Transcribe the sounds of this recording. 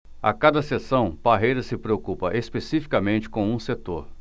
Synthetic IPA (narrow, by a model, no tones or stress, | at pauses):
a̰kad̪ɐsesɐ̃w̃b̥aɦejɾɐsɪpɾeokupɐʔespesifi̥kɐmẽnt͡ʃɪ̥kõw̃ũset̪oɾ